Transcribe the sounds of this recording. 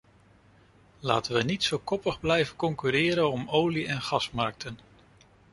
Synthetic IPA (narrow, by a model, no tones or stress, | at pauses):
laːtəʋənitsowkɔpəχblɛjvəkɔŋkyɾɪːɾənɔmowliɛnχɑsmɑɹk̚tən